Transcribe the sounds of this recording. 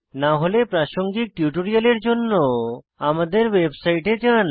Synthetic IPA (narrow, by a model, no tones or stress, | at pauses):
naɦolepɾaʃoŋɡik̚ʈjuʈoɾijaleɾd͡ʒonːo | amad̪eɾwebsajʈed͡ʒan